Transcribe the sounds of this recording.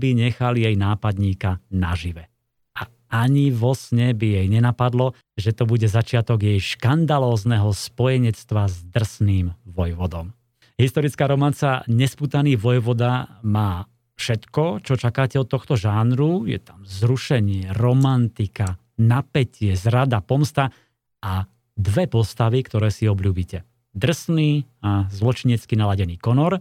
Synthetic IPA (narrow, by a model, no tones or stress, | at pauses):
biɲɛxaljɛjnaːpad̪ɲiːkana̰ʒiʋɛ | ʔa | aɲiʋɔsɲɛbijɛjɲɛnapad̪lɔ | ʒɛt̪ɔbuɟɛzat͡ʃɪat̪ɔɡjɛjʃkand̪alɔːznɛɦɔspɔjɛɲɛt͡st̪ʋazd̪r̩sniːmʋɔjʋɔd̪ɔm | ɦist̪ɔɾit͡skaːɾɔmant͡sa̰ɲɛspuːt̪aniːʋɔjʋɔd̪amaː | fʃɛt̪kɔt͡ʃɔt͡ʃakaːcɛɔt̪ːɔxt̪ɔʒaːnɾujɛ̰t̪amzɾuʃɛɲɪɛɾɔmant̪ika | napɛcɪɛzɾad̪apɔmst̪a | a | d̪ʋɛpɔst̪aʋikt̪ɔɾɛːsiɔbʎuːbicɛ | d̪r̩sniːazlɔt͡ʃiɲɛt͡skinalaɟɛniːkɔnɔɾ